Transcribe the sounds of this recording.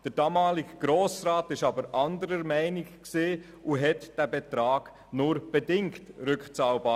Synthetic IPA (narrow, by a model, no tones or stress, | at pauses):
d̥əɾd̥ɑːmɑːlɪɡɡ̥ɾoːsɾaːtɪʃɑbəɾʔɑndəɾəɾmɛɪnɪkkseː | uɦɛtd̥æbɛtɾɑːɡ̥ | nʊɾb̥ɛdɪŋktɾʏkt͡sɑːlbaː